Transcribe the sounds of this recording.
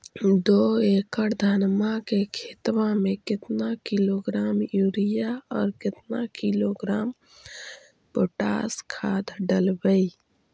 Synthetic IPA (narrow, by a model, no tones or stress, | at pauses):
d̪oekəɾd̪ʱənmakekʰet̪ʋamekɪt̪nakiloɡɾamjuɾijaɔːɾkɪt̪nakiloɡɾam | poʈa̰skʰad̪ɖəlbə